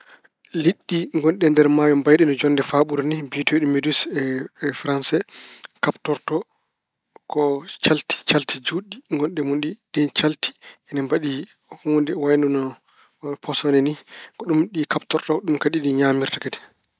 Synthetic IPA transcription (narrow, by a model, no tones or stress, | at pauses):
liɗːiŋɡɔnɗɛndɛɾmaːjɔmbajɗɛnɔd͡ʒɔnːdɛfaɓuɾnibitoɗimedusɛfɾansɛkaptɔɾtɔ | kɔt͡ʃalti̥t͡ʃaltid͡ʒuɗiŋɡɔnɗɛmunɗiɗɛnt͡ʃalti̥ɛnambaɗi | hundɛwajndunɔ | pʰɔsɔnɛnikɔɗumɗikaptɔɾtɔɗumkaɗiɗiɲaːmiɾtakadi̥